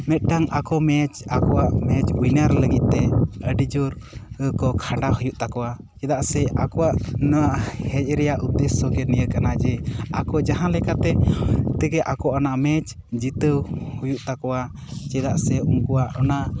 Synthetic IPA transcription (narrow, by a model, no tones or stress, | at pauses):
mɛt̪̚ɖaŋakɔmɛt͡ʃakɔwaʔmɛt͡ʃunaɾləɡit̪̚ˀt̪ɛəɖid͡ʒɔɾəkɔkʰaɳɖaɦujuʔt̪akɔwa | t͡ʃɛd̪aʔsɛakɔwaʔnɔwaʔhɛc̚ˀɾɛjaʔud̪ɛsːɔɡɛnijəɾkanad͡ʒɛakɔd͡ʒaɦãlɛkat̪ɛt̪ɛɡɛʔakɔʔanaʔmɛt͡ʃ | d͡ʒit̪əwhujuʔt̪akɔwa | t͡ʃɛd̪aʔsɛumkɔwaʔɔna